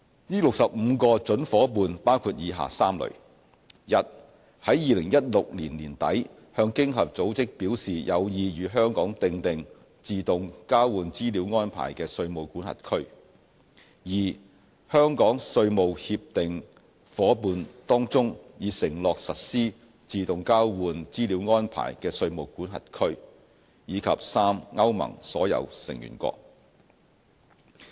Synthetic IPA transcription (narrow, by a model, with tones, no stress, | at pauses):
jiː˥lʊ˨k̚sɐ˨p̚m̩˨˧kɔː˧t͡ʃɵ˨˥nfɔː˨˥puː˧npaː˥wkʰuː˧t̚jiː˨˧ɦa̰ː˨saː˥mlɵ̰˨˩ɥ | jɐ˨˥t̚ | hɐ˨˥jːiː˨˧lɪ˨˩ŋjɐ˥t̚lʊ˨k̚liː˨˩nliː˨˩nt̪ɐ̰˨˥j | hœː˧ŋkɪ˥ŋɦɐ˨p̚t͡so˨˥wt͡sɪ˥k̚piː˨˥wsiː˨jɐ˨˧wjiː˨˧jyː˨˧ɦœː˥ŋkɔː˨˥ŋt̪ɪ˧ŋt̪ɪ˨ŋ | t͡siː˧t̪ʊ˨ŋkaː˥wwuː˨˧nt͡siː˥liː˨˥wŋɔː˥npʰa̰ː˨˩jkɛː˧sɵ˧ɥmo˨˧wkuː˨˥nhɐ̰˨t̚kʰɵ˥ɥ | jiː˨ | hœː˥ŋkɔː˨˥ŋsɵ˧ɥmo˨whi˧p̚t̪ɪ˨ŋ | fɔː˨˥puː˧nt̪ɔː˥ŋt͡sʊ˥ŋjiː˨˧sɪ˨˩ŋlɔː˨k̚sɐ˨t̚siː˥ | t͡siː˨t̪ʊ˨ŋkaː˥wwuː˨˧nt͡siː˥li˨˥wŋɔː˥npʰa̰ː˨˩jkɛː˧sɵ˧ɥmo˨˩wkuː˨˥nɦɐ̰˨t̚kʰɵ˥ɥ | jiː˨˧kʰɐ˨p̚saː˥mŋɐ˥wmɐ̰˨˩ŋsɔː˨˥jɐ̰˨˧wsɪ̰˨˩ŋjy̰ː˨˩nkʷɔ̰ː˧k̚